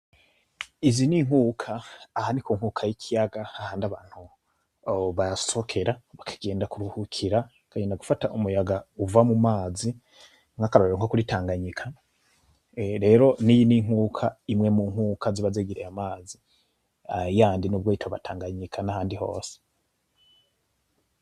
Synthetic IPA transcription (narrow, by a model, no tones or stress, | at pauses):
iziniŋ̥ukʰaːhanikuːŋhukʰajikʰijaɡaahaːndaβaːn̥hu | βajassokʰe̞ɾaβakʰḁɡe̞ːndakuɾuhukʰiɾa | kʰaɡeːndaɡufataʔumujaɡauvamumaːzi | ŋakaɾoɾeoŋkokuɾitaːŋɡaɲikʰa | ɾe̞ːɾo̞nijiniŋ̥uːkʰaimŋe̞muːŋ̥ukʰaziβazeɡiɾejamaːzi | ajaːndinubɡoitʰoβatʰaːŋɡaɲikʰanahaːndiho̞̰ːse̥